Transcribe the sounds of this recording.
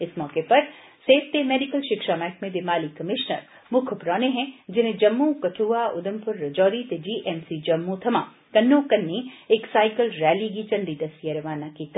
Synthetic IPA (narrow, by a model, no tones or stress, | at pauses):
ɪsmɔːkepɐɾ | seːft̪emeːɖɪkəlʃɪkʃamɛːkmẽd̪ɪmaːlikɐmɪʃnə̰ɾ | mʊkʰpɾɔːneɦɛ̃d͡ʒɪn̤ẽd͡ʒɐmːũkɐʈʰuːaʊd̪əmpʊɾːɐd͡ʒɔːɾit̪ed͡ʒiːʔɛmsid͡ʒɐmːut̪ʰɐmaː | kɐnːokɐnːieːksaːɪkəlɾɛːliɡit͡ʃɐ̃ɳɖid̪ɐsijaɾɐʋaːnakit̪